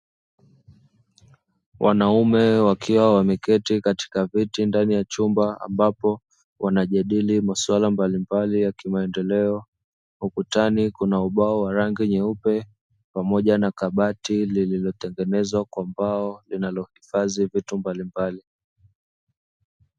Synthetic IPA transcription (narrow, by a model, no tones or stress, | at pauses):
wʔanaumɛwakʰiwawamɛkɛtikati̥kavitindanijat͡ʃumbaa̰mbapɔ | wʔanaʄaɗilimaswalambalimbalijakimaɛndɛlɛɔ | hukutanikunauɓaɔwaɾaŋɡiɲɛupɛ | pamɔʄanakaɓatilililɔt̪ɛŋɡɛnɛzwakwambaɔlinalɔhifazivitumbalimbali